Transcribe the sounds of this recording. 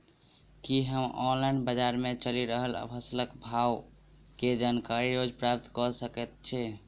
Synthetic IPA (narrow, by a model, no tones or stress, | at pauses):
kiɦəmɔ̰̃nlaɪnbəd͡ʒaɾmet͡ʃəliɾəɦələ̰pʰəsləkbʱaw | ked͡ʒankaɾiɾod͡ʒpɾap̚t̪kɔsəkɛt̪̚t͡ʃʰɛ